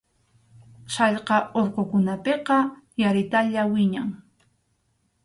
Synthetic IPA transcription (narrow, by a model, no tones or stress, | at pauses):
ʃɑʎqɑoɾqokʊnapeqɑjaɾɪt̪aʎawɪɲaŋ